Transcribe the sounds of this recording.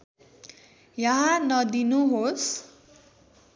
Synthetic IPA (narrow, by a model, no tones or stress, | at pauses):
jʌɦanʌd̪inuɦos